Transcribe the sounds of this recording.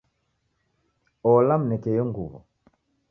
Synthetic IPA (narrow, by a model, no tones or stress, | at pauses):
ɔlam̩nɛkɛjɔŋɡuβɔ̰